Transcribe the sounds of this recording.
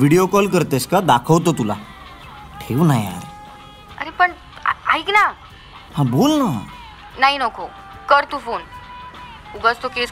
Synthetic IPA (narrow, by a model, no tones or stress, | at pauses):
ʋiɽijokɔlkəɾt̪eskad̪akʰəʋt̪ot̪ula | ʈʰeʋnaja̰ɾ | əɾepəɳ | aikna | hãbolna | naɦinɔkʰo | kəɾt̪ufon | uɡəst̪okes